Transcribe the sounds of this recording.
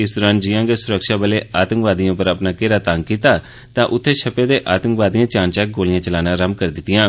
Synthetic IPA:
ɪsd̪ɔːɾãːn̚d͡ʒɪjãːɡeːsʊɾəkʃaːbəleːʔaːt̪əŋkʋaːd̪ijãːpəɾəpnaːkeɾaːt̪aŋɡkiːt̪aː | t̪ãːʔʊt̪ʰːeːʃəpeːd̪eːʔaːt̪əŋkʋaːd̪ijãːt͡ʃaːnt͡ʃɛːk̚ɡoːlɪjãːt͡ʃəlaːnãːɾəmkəɾd̪ɪt̪ːɪjãː

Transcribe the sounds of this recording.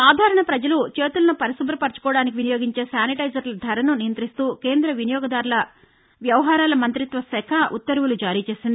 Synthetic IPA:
aːd̪ʱaːɾɐɳɐpɾɐd͡ʒɐlut͡ʃe̞ːt̪ulɐnupɐɾɐsubɾɐpɐɾt͡ʃu̥kɔːɽaːnik̬iʋinijoːɡiɲt͡ʃe̞ːsjaːniʈɐjd͡ʒɐɾlɐd̪ʱɐɾɐnunijɐnt̪ɾist̪uːke̞ːnd̪ɾɐʋinijɔːɡɐd̪aːɾlɐ | ʋjɐʋɐɦaːɾaːlɐmɐnt̪ɾit̪ʋɐsɛkʰɐʔṵt̪ːɐɾwulud͡ʒaːɾiːt͡ʃe̞ːsind̪i

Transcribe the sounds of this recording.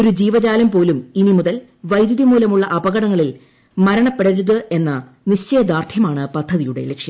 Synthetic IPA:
oɾud͡ʑiːʋɐd͡ʑaːlɐmpo̞ːluminimuðɐl | ʋɐjd̪juðimuːlɐmuɭːɐʔɐbɐɣɐɽɐŋːɐɭil | mɐɾɐɳɐpːe̞ɽɐɾuðɨe̞nːɐ | niɕt͡ɕɐjɐd̪aːrt̪ʰjɐmaːɳɨpɐd̪ʱːɐðijuɽe̞̰lekʂjɐm

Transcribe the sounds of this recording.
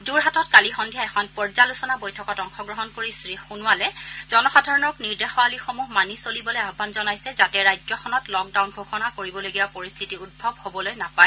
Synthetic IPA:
duɹɦatɔtkalixɔndʱijaɛxʰɔnpɔɹzalusɔnabojtʰɔkɔtɔŋxɔɡɹɔɦɔnkoɹisɹixunʊwalɛzɔnɔxadʱaɹɔnɔkniɹdɛxɔalixomuɦmanisolibɔlojabbʱanzɔnajsɛzatɛɹajd͡ʒɔxʰɔnɔtlɔk̚dawnɡʱoxɔnakoɹibɔloɡijapoɹist̪ʰitiut̚bʱɔb̚hobɔlojnapaɛ

